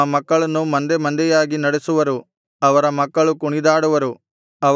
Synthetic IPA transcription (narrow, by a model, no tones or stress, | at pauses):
mɐkːɐɭɐnːumɐnd̪emɐnd̪ɛjaːɡinɐɽesuʋɐɾu | ɐʋɐɾɐmɐkːɐɭukuɳid̪aːɽuʋɐɾu | ɐ